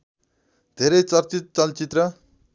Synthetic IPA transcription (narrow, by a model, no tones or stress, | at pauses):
d̪ʱeɾʌjt͡sʌrt͡sit̪̚t͡sʌlt͡sit̪rʌ